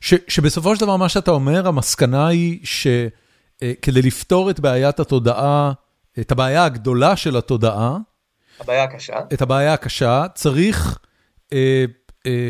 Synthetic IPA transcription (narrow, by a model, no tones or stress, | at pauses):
ʃeʃebe̞so̞foʃeldavaʁmaʃeatao̞me̞ʁamaskanaiʃe̞ | ke̞d̪ejlifto̞ʁet̪beajathato̞daʔa | etabeːjaːɡd̪o̞laʃe̞lato̞daʔa | beajakaʃa̰etabeajaːkaʃat͡saʁiχ | e